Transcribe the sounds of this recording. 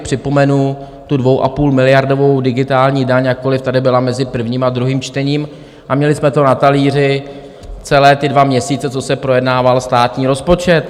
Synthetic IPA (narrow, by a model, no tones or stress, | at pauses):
pr̝̥ɪpo̞mɛnu | t̪udvo̞wʔa̰puːlmɪlɪjaɾdo̞vo̞wdɪɡɪt̪aːlɲiːdaɲjak̚kːo̞lɪft̪adɪbɪlamɛzɪpr̩vɲiːmad̪ɾuɦiːmt͡ʃt̪ɛɲiːm | ʔamɲɛlɪsmɛt̪o̞nat̪aliːr̝ɪ | t͡sɛlɛːt̪ɪdvamɲɛsiːt͡sɛt͡so̞sɛpɾo̞jɛdnaːvalst̪aːt̪ɲiːɾo̞spo̞t͡ʃɛt̪